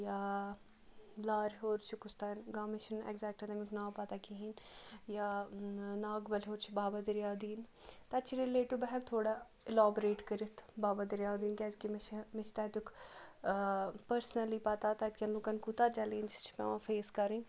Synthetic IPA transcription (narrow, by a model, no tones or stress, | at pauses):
jaː | laːɾɦoːɾt͡ʃʰikʊst̪aːnɡaːmɪʃʰɪnɛ̰ɡzɛːk̚ʈɐt̪amɪkʰnaːpat̪aːkiɦinjaːnaːɡbəlɦoːɾt͡ʃʰibaːbad̪ɪɾjaːd̪iːnt̪ɐt͡ʃʰiɾileːʈubɛɦət̪ʰoːɽaː | ɪlaːbɾeːʈkəɾit̪ʰbaːbad̪ɪɾjaːd̪iːnkɛːd͡ʒkimt͡ʃʰmɪt͡ʃʰt̪aːt̪ʊkʰ | pəɾsnəliːpat̪aːt̪at̪̚kʲɐnloːkankut̪aːt͡ʃɛːlẽːnd͡ʒt͡ʃʰpɛ̰ːʋãːfʰeːskɐɾĩːn